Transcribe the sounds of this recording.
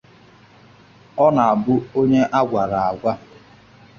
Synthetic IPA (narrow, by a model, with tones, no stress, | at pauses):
ɔ˦na˨a˨bʊ˦o˦ɲe˦ʔa˦ɡʷa˨ɾa˨a˨ɡʷa˦